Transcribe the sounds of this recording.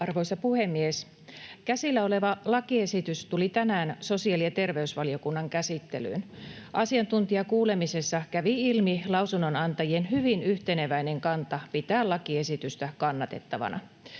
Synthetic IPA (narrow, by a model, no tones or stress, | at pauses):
ɑrʋojsɑpuhe̞mːies | kæsilːæo̞le̞ʋɑlɑkie̞sit̪yst̪ulit̪ænæːnso̞siɑliɑt̪e̞rʋe̞ysʋɑlio̞kunːɑŋkæsit̪ːe̞̰ly̰ːnʔɑsiɑnt̪unt̪iɑkuːle̞mise̞sːɑkæʋiilmilɑusunːonɑnt̪ɑjienɦyʋinyht̪eneʋæine̞ŋkɑnt̪ɑpit̪æːlɑkie̞sit̪yst̪ækɑnːɑt̪e̞̰t̪ːɑʋɑ̰nʔɑ̰